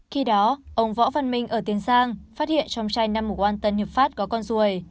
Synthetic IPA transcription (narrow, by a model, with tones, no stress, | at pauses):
xi˧ɗɔ˨˦ʔə˧wŋ͡mvɔ̰˧˥va˧˩nmï˧ŋ̟ʔəː˧˩t̪i˨˦ənsaː˧ŋfaː˦˥t̚hḭ˧˨ənt͡ɕɔ˧wŋ͡mt͡ɕaː˧jna˧mːu˨˩kwaː˧nt̪ə˧˩nhi˨˩əp̚faː˦˥t̚kɔ˨˦kɔ˧nzu˨˩əj